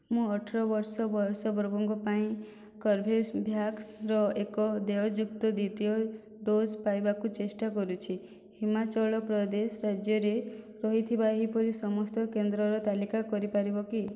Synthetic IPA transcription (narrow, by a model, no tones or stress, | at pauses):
mũɔʈʰɔɾɔbɔɾsɔbɔsɔbɾɔbɔŋɡɔpaĩ | kɔɾbʱesbʱjaksɾɔekɔd̪eɔd͡ʒukt̪ɔd̪it̪ijɔ | ɖospajbakut͡ʃesʈakɔɾut͡ʃʰi | himat͡ʃɔɭɔpɾɔd̪esɔɾad͡ʒjɔɾe | ɾɔɦit̪ʰibaɦipɔɾisɔmɔst̪ɔkend̪ɾɔɾɔt̪alikakɔɾipaɾibɔki